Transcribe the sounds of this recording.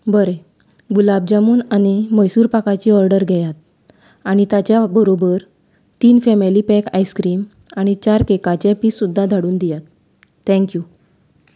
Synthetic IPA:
bəɾe | ɡulab̚d͡ʑamuːnañiməjsuːɾpakat͡ɕiːɔɾɖəɾɡʱɛjat̪̚ | aɽ̃it̪at͡ɕjabəɾobəɾ | t̪iːnfɛmelipɛkajskɾiːm | aɽ̃it͡ɕaɾkekat͡ɕẽpiːssud̪ʱːad̪ʱaɽuːnd̪ijat̪ː | ɛ̃ŋkju

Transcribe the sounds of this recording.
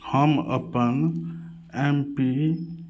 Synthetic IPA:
həmə̰pən | empi

